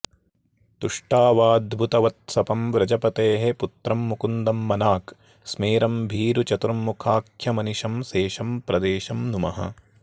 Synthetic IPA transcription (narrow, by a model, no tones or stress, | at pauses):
t̪uʂʈaːʋaːd̪bʱut̪ɐʋɐt̪̚sɐpɐmʋɾɐd͡ʒɐpɐt̪eːɦeput̪ɾɐmːukund̪ɐmːɐnaːk | smeːɾɐmbʱiːɾut͡ʃɐt̪ɾɐmːukʰaːkʰjɐmɐniʃɐmseːʃɐmpɾɐd̪eːʃɐmnumɐɦɐ̰